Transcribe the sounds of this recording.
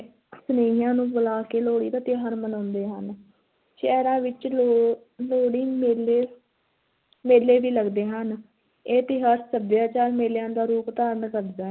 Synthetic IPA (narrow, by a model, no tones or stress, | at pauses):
səneːijãːnũːbʊlaːkeːloːɽḭːt̪aːt̪ɪjaɦəɾmənɔ̃ːnd̪eːɦən | ʃɛːɾãːʋɪt͡ʃo | loːɽɪŋmeːleː | meːleːʋiːləɡd̪eːɦən | eːt̪eːɦəɾsəbjaːt͡ʃaːɾmeːljãːd̪aːɾuːpt̪aːɾəɳkəɾd͡ʒ̪aː